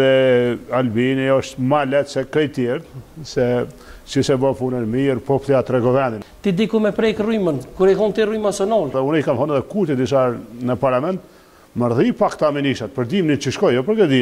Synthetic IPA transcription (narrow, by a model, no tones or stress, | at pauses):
ɛalbiniɔʃt̪malɛt̪sɛkɾɛjt̪jɛɾt̪sɛ | sisɛbɔfunənmiɾpɔplˠiat̪ɾɛɡɔvɛnd̪int̪id̪ikumɛpɾɛkrymənkuɾɛɦɔnt̪irumasɔnɔlðɛunɛjkamhɔnɛðɛkut̪ɛd̪isaɾnəpaɾlamɛnt̪ | məɾðipakt̪aminiʃat̪̚pəɾd̪imnit͡ʃəʃkɔjɔpəɾɡad̪i